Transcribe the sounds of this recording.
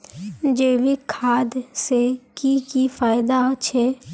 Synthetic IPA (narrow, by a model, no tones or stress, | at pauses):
d͡ʒeːʋikʰaːd̪sekikifaːɪd̪at͡ʃʰɛː